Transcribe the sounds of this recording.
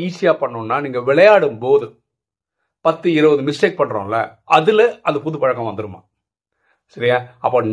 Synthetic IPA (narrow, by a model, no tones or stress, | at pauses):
iːsɪjaːpɐɳːɯnːaːniːŋɡɐʋɪɭɐjaːɽɯmpoːðɯ | pɐt̪ːɯɪɾɐʋɐðɯmɪsʈeːk̚pɐɳːɾõ̰ːlːɐ̰ʔɐðɯlɐʔɐðɐpʊðɯpɐɻɐkːɐ̃ʋɐnd̪ɯɾɯma̰ː | sɐɾɪŋɡaːɐpːɐn